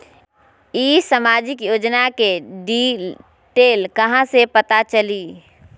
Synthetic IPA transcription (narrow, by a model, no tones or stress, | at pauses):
iːsəmaːd͡ʒɪkjoːd͡ʒnakeɖiː | ʈeːlkɐɦãsepɐt̪at͡ʃɐliː